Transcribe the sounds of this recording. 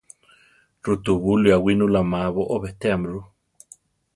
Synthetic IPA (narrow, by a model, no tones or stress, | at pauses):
rut̪uβuliawinulamaβoʔoβet̪eamɾu